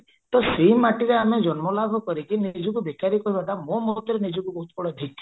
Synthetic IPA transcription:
t̪ɔseimaʈiɾeamed͡ʒɔnmɔlabʱɔkɔɾikinid͡ʒɔkubekaɾikɔɾibaʈamõmɔt̪iɾenid͡ʒɔkubɔɦut̪kɔɽɔad̪ʱik

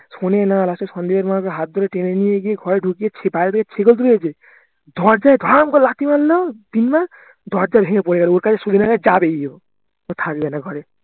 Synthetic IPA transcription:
sonenalasesɔnd̪ibaɾmakɔɦat̪̚d̪ʱɔɾeʈenenieɡieɡʱɔɾeɖʱukijet͡ʃʰebajɾt̪ʰaket͡ʃʰeɡɔlt̪ɾued͡ʒe | d̪ʱɔɾd͡ʒaed̪ʱɔɾɔmkɔlat̪imalːɔd̪̥inma | d̪ʱɔɾd͡ʒabʱeŋepɔɽeɡaleoɾkad͡ʒesud̪ʱinaɡad͡ʒabeio | ot̪ʰakbɛnaɡʱɔɾe

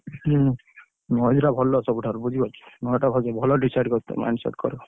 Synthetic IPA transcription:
nɔd͡ʒɾabʱɔlːɔsɔbuʈʰɔɾbud͡ʒʱibat͡ʃʰi̥nɔʈabʱɔd͡ʒɔbʱɔlɔɖisajɖkɔɾt̪ḛma̰nsɔ̰ʈ̚kɔɾɔ

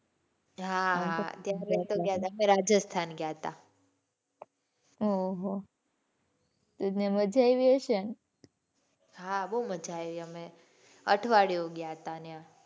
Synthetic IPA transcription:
ɦat̪jaɾet̪oɡjat̪ameɾad͡ʒəst̪ʰanɡjat̪a | oɦo | t̪eneməd͡ʒajʋiəʃən | ɦabəuməd͡ʒʱajʋiəme | əʈʰʋaɽjoɡjat̪anea

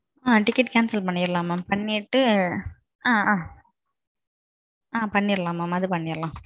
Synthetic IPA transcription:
aːʈɪkːɪʈkaːnsɐlpɐɳːɪɾɯlãːmaːmpɐɳːɪʈːɯ | ãːãː | aːpɐɳːɪɾɯlãːmːaːmɐðɯpɐɳːɪɾɐlãː

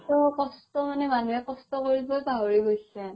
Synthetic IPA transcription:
tɔkɔstɔmanɛmanuɛkɔstɔkoɹibɔjbaɦoɹiɡojsɛ

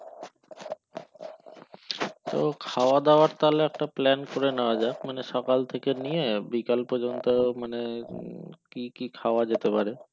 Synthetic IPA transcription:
t̪okʰaoad̪aoaɾt̪aleɛkʈaplɛnkoɾenead͡ʑaemaneʃɔkalt̪ʰekenijebikalpɔɾd͡ʑont̪omane | kikikʰaoad͡ʑet̪epaɾe

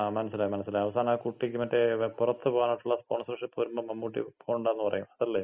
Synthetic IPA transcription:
amɐnɐs̬ːileːmɐnɐsːileːɐʋɐsaːnaːkuʈːikʲːɨmɐtːepurɐt̪ːɨpoːɣaːnɐjʈːuɭːɐspoːɳsreʂipːoɾumbɐmɐmːukːuʈːḭpːoːuɳɖaːenːɨpɐrɐ̰jːṵɳɐðɐlːeː

